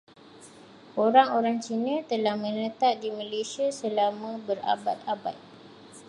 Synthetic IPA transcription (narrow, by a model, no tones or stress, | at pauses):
ʔoɾaŋoɾaŋt͡ʃinə̃t̪əlahmə̃nə̃t̪aʔ̚dimə̃lesiasəlamə̃bəɾa̰bat̪̚aba̰j